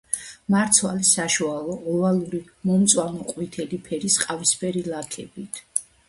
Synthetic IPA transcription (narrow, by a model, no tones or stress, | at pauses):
maɾt̪sʰwa̰lisaʃualˠɔɔvalˠuɾi | mɔmt̪sʼwamɔqʼwit̪ʰɛlipʰɛɾisqʼavispʰɛɾilakʰɛbit̪ʰ